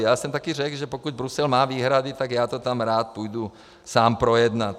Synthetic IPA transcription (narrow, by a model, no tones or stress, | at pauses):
jasɛmt̪akiːɾɛɡʒɛpɔkuɟbɾusɛlmaːʋiːɦɾad̪it̪aɡjat̪ɔt̪amɾaːt̪̚pujd̪u | saːmpɾɔjɛd̪nat